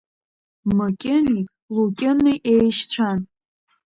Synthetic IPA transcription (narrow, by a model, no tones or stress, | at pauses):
makʲʼɪni | lukʲʼɪnɨʔejʃt͡ɕʷʰan